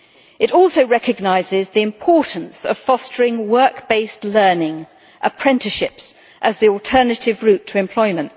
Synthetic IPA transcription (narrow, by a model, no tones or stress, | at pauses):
ɨɾɔˑlˠsəʊɹɛkɨɡ̚naɪzɪzðiɨ̃mpʰɔˑʔn̩sə̰v̥fɒstʰəɹɪ̃ŋwɜˑ˞kb̥eɪslɜːnɪ̃ŋ | ʔəpʰɹ̥ɛ̃ntɪʃɪps | ʔəzðiɔlˠtʰɜ˞nətɪvɹʉˑtʰəɪ̃mpʰl̥ɔɪmə̃nt